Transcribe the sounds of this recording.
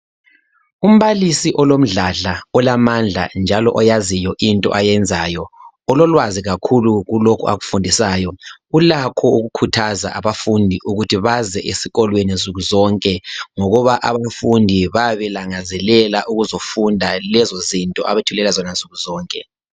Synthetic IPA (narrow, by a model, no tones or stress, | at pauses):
um̩βalisiʔɔlom̩ɮaɮaɔlamand͡ɮʱa̰nd͡ʒʱalɔ̰ʔɔjazijɔʔintʼɔ̰ʔajɛnd͡zʱajɔ | ɔlɔlwaziɣakʰuluɣulokʰṵa̰ɣufundʱisaːjɔulakʰɔuɣukʰutʰaza̰ʔaβafundʱiʔuɣutʰiβazɛʔesiɣɔlwenent͡sʼuɣuzɔŋkʼɛŋɔɣɔβaʔaβafundʱiβaβɛlaŋazɛlɛlaʔuɣuzofundʱalɛzozintʼɔʔaβetʰulɛlazɔnant͡sʼuɣuzɔːŋkʼɛ